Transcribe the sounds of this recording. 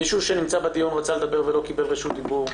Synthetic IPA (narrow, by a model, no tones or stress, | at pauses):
iʃuʃenimt͡sabad̪ijunʁat͡saled̪abeʁvelo̞kibe̞lʁiʃut̪̚d̪ibuʁ